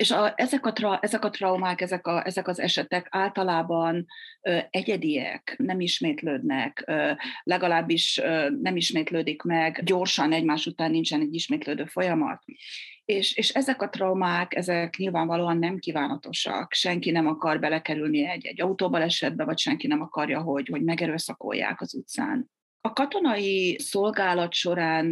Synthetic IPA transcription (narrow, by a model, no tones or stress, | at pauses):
eʃɒɛzɛkɒt̪rɒʔɛzɛkɒt̪rɒumaːkɛzɛkɒʔɛzɛkɒzɛ̰ʃɛt̪ɛkaːlt̪ɒlaːbɒnøɛɟɛd̪ijɛ̰knɛmiʃmeːt̪løːd̪nɛkølɛɡɒlaːbːiʃønɛmiʃmeːt̪løːd̪ikmɛɡɟo̞rʃɒnɛɟmaːʃut̪aːnːint͡ʃɛnɛɟːiʃmeːt̪løːd̪øːfo̞jɒmɒ̰t̪eːʃeːʃɛzɛkɒt̪rɒwmaːkɛ̰zɛkɲilvaːɱvɒloːɒnːɛmkiːvaːnɒt̪o̞ʃɒ̰kʃɛŋkinɛmɒkɒrbɛlɛkɛɾylniɛɟːɛ̰ɟːɒut̪oːbɒlɛʃɛd̪̚bɛvɒcʃɛŋkinɛmɒkɒrjɒɦo̞ɟho̞ɟmɛɡɛɾøːsɒko̰jːa̰ːkɒzut̪sa̰ːn | ɒkɒt̪o̞nɒjiso̞lɡaːlɒt̪ʃo̞ɾaːn